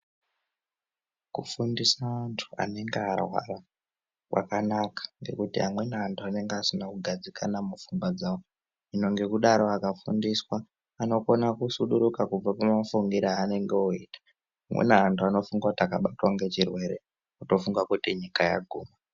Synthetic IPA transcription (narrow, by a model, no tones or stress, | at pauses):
kufundisaːntʰu̥a̰ne̞ŋɡearwa̰ra | wʔa̰kanakḁŋɡe̞̰kutiɦamwe̞naantʰuane̞ŋɡeasinakuɡʱad͡zikʰanamufuŋɡwad͡zaːwo | ino̞ŋɡe̞kuɗaɾo̞akafundiswaː | no̞ko̞nakusuɗuɾukakub͡vapamafuŋɡiɾaːne̞ŋɡeoiːtḁ | ɦamwḛnaantʰuano̞fuŋɡautakaɓatwaŋɡe̞t͡ʃirwe̞ɾḛ | uto̞fuŋɡakutiɲikaja̰ɡʱuːma